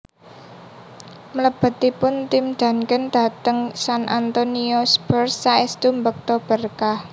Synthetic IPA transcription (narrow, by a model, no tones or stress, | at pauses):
mələb̥ə̤t̪ipʊnt̪imd̪̥ä̤nkənd̪̥a̤t̪əŋsanʔant̪oniɔsbərsːaist̪umbək̚t̪ɔb̥ərkah